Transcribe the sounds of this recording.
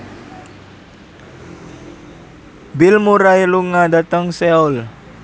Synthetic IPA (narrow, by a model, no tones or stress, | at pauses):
bilmuɾailuŋadat̪əŋseul